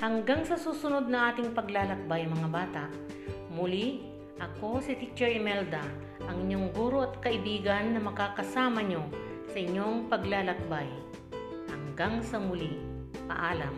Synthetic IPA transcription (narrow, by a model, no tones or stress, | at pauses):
hɐŋɡaŋsɐsuːsʊnod̪̚nɐŋʔaːt̪ɪŋpɐɡlaːlɐk̚bajmɐŋabaːt̪aʔ | mʊli | ʔɐko̞sɪt̪it͡ʃɛɹɪmɛld̪ɐ | ʔɐŋɪɲoŋɡuːɾo̞ɐt̪̚kɐʔɪbiːɡɐnːɐmɐkaːkɐsaːmɐɲo̞sɐʔɪɲːo̞ŋpɐɡlaːlɐk̚baj | hɐŋɡaŋsɐmʊli | pɐ̰ʔaːlɐm